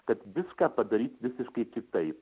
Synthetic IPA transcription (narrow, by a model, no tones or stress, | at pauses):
kɐt̪ʋʲɪskaːpɐd̪ɐɾʲiːt̪ʋʲɪsʲɪʃkɐɪkʲɪk̚t̪ɐɪp